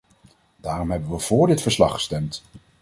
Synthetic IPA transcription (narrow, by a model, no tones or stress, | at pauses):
daːrɔmɦɛbənʋəv̥ʊːɹdɪtfəɹslɑ̰χə̥stɛmt